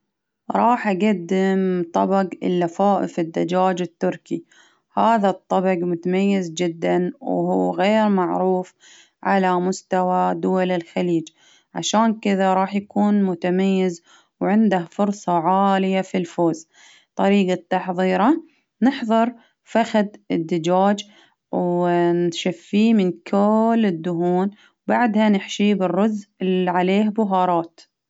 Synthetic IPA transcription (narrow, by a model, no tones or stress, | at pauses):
ɾˤɑːħʔaɡad̪ːɪmt̪ˤɑbɑɡɪ̰lːafaːʔɪ̰fɪd̪ːad͡ʒaːd͡ʒɪt̪ːʊɾki | haːðat̪ˤːɑbɑɡmʊt̪amajːɪzd͡ʒɪd̪ːanwuːɣeːɾmaʕɾuːf | ʕa̰lamʊst̪awad̪ʊwalɪlxaliːd͡ʒ | ʕa̰ʃaːnkɪðaɾˤɑːħjakuːnmʊt̪amajːɪz | wʕɪnd̪ahfʊɾsˤɑʕaːlɪjafilfoːz | t̪ˤɑɾiːɡat̪ːɑħðˤiːɾˤɑ | nɪħðˤɨɾˤ | faxad̪ɪd̪ːɪd͡ʒaːd͡ʒ | wnʃafːiːmɪnkʰʊlːɪd̪ːʊɦuːn | wbaʕd̪hanɪħʃibɪrːʊzɪlʕaleːhbʊɦɑːɾˤɑːt̪